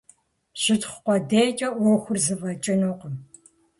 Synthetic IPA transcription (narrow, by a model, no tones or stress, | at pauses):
ɕɪtχʷqʷɔdeːt͡ʃʼɐʔʷɔxʷʊrzɨvɐt͡ʃʼɪnoːqəm